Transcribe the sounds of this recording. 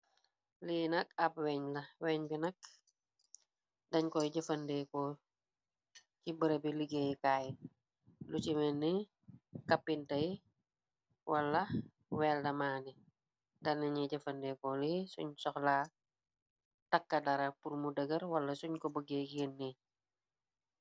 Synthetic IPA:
linɐk̚ɐp̚wɛɲlɐwɛɲbinɐk̚ | dɐɲkɔjɟɐfɐndɛkɔ | cibəɾəbiliɡejkaːj | lut͡ʃimɛnːi | kɐpːintɐji | wɐlːɐ | wɛːldɐmaːni | dɐnɐɲɛɟɐfɐndɛkɔlisṵɲsɔxla | tɐkːɐdɐɾɐpuɾmudəɡɐɾwɐlːɐsuɲkɔbəɡekijənːe

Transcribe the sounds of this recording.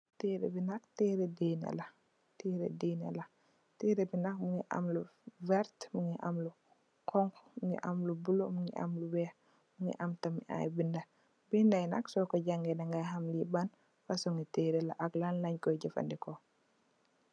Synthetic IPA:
teɾḛbinaktɛːɾɛdena̰la | teɾḛdeːna̰la | teɾebinak̚muŋɡiʔa̰mluvɛɾtmuŋɡiʔamlu | kʰɔŋkmuŋɡḭʔamlubulomuŋɡḭʔa̰mluwɛh | muŋɡḭʔamtamiʔa̰jbinda | bindajna̰ksɔkɔɟaŋɡɛnaŋɡaɦamliban | fasɔŋiteːɾɛla̰ʔaklanlaɲkɔjɟɛfa̰ndikɔ

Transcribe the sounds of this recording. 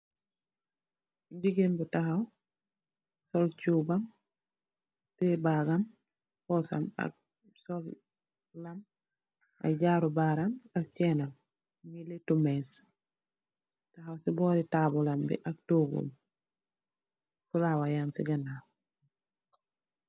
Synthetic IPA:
ɲɟiɡenbutaxaw | sɔlt͡ʃuːbam | tebaɡam | fɔsa̰ma̰k̚ | sol | lam | a̰k̚ɟaːɾubaɾamak̚cɛnam | miletumes | taɦawsibɔːɾitabulambḭʔak̚toːɡṵm | fulawajaːnsḭɡana

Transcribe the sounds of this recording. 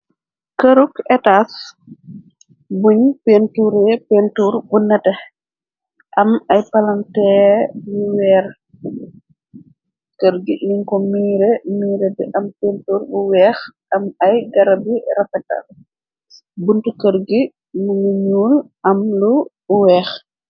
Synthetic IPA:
kəɾukɛtas | buɲpentuɾɛpentuːɾbunɛtɛ | ʔɐmɐjpɐlantɛjuwɛːɾ | kəɾɡiliŋkɔmiːɾɛmiːɾɛdiʔɐmpentuːɾbuwɛːxʔɐmɐjɡɐɾɐbiɾɐfɛta̰l | buntukəɾɡi | muniɲuːlʔɐmlu | wɛːx

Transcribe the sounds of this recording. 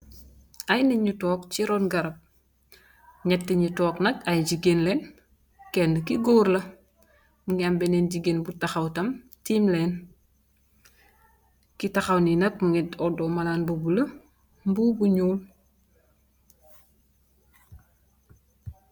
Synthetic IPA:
ajniɲutɔːk̚t͡ʃiɾɔnɡɐɾɐp̚ | ɲɛtːiɲutɔːknɐkajɟiɡenlɛn | kɛndəkiɡoːɾlɐ | muŋambɛnɛnɟiɡeːnbutaxawtɐm | tiːmlɛːn | kitɐxɐwninɐk̚muŋɛtɔdɔːmɐlaːnbubulɐ | mbuːbuɲuːl

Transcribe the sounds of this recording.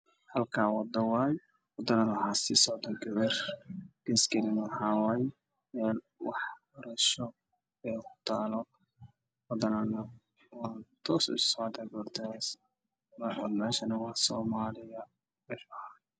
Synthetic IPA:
hɐlkʰaːwɑd̪ːɐwɑːj | wɑd̪ɐnɐnwhaːsɪsɔʕd̪ɐɡɐβɛrɡ̥ɛːskʰɛnɪnwħɑːwaːj | mɛːl | wɑ̰ħbɐɾɐʃɔ | ɛkʰʊ̥t̪ʰaːlɔ | wɑd̪ɐnanɐ | waːnt̪ʰɔːsʊ̰ssɔʕd̪ɐɡɔrt̪ʰɛs | mmɛːʃɐnɐwɑħsɔːmaːlɪjɐ | mɛfɐʕan

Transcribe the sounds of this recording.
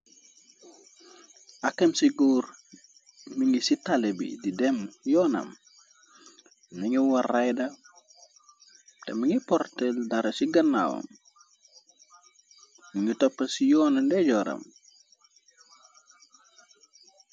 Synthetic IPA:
ɐkːɐmsiɡuːr | miŋɡisitalebḭdidɛmjɔːnɐ̰m | niɲuwɐrajdɐ | tḛmiŋipɔrteldaɾɐsiɡɐnːa̰wɐ̰m | miŋitɔpːɐsijɔːnɐndeɟɔɾɐ̰m

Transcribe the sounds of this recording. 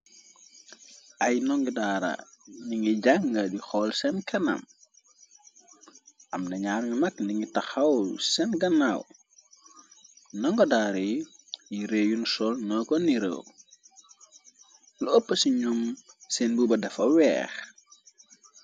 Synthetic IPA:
ʔɐjnɔŋɡidaːɾɐ̰niŋiɟaŋɡɐdixɔlsɛnkʰɐnɐ̰m | ʔɐmnɐɲaːɾninɐkniŋɡitɐxɐwsɛnɡɐnɐw | nɔŋɡɔdaːɾej | jiɾeːjunsɔlnɔkɔniɾə̰w | luəpːəsiɲɔmsɛnbubɐdɐfɐwɛ̰ːx

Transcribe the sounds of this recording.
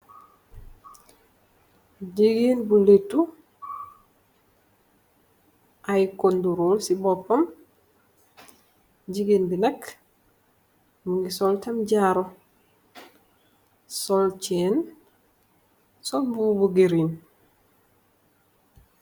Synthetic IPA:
ɟiɡinbuletu | ʔajkonduɾuːlsibopːom | ɟiɡiːnbinɐk | muŋɡisoltamɟaːɾo | solt͡ʃen | solbubuɡiɾin

